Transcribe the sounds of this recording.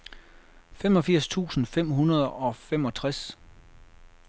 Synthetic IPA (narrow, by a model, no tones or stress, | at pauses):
femɒ̽fiɐ̰st͡sʰṵːsn̩fem̰ɦunɐð̞ˠɒ̽femɒ̽t͡sʰʁas